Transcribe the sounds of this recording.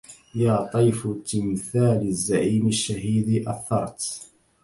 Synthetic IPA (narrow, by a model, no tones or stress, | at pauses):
jaːt̪ˤɑjft̪ːɪmθaːlɪzːaʕiːmaʃːaɦiːd̪ʔaθːɑɾˤt̪